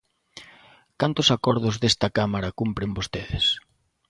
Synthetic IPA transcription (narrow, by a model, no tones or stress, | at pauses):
kant̪ʊsakɔɾð̞ʊzðest̪ɐkamaɾɐkumpɾɪmbost̪eðɪs